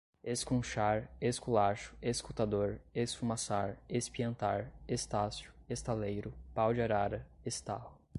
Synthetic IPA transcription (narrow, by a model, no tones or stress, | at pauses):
eskõʃaɾeskulaʃʊ̥eskut̪ad̪oɾesfumasaɾespiɐ̃nt̪aɾest̪asjʊ̥est̪alejɾʊpawd͡ʒɪaɾaɾɐest̪a̰lʊ